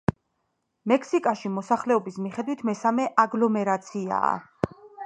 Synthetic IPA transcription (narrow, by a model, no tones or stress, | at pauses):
mɛkʰsikʼaʃimɔsaχlɛɔbismiχɛd̪wit̪ʰmɛsamɛʔaɡlɔmɛɾat̪sʰia̰ː